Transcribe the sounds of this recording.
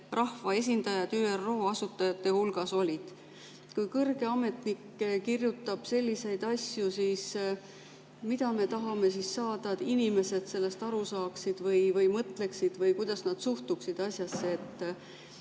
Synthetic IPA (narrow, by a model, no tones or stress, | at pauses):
rɑhvɑe̞s̬ʲind̪̥ɑjɑd̪̥yːero̞ːɑsut̪ːˑɑjɑt̪ːe̞hulɡ̥ɑso̞lʲid̪̥ | kujkɤrɡe̞ɑme̞t̪nikːkirjut̪ːˑɑb̥se̞lʲːise̞jd̪̥ɑsʲjusiːs | mid̪̥ɑme̞t̪ɑɦɑme̞sisːɑːd̪̥ɑd̪inime̞se̞d̪̥se̞lːe̞st̪ɑɾusɑːksid̪̥vɯjvɯjmɤt̪ˑle̞ksid̪̥vɤjkujd̪̥ɑsnɑd̪̥suht̪uksid̪̥ɑsʲjɑsːeet̪ː